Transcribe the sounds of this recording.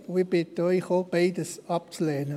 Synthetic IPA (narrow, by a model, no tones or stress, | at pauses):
ib̥ɪt̪ːəɔɪxob̥eɪdəsɑp̚t͡slɛːnə